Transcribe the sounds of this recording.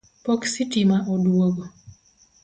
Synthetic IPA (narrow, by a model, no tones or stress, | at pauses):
pɔksitimaʔɔdwoɡɔ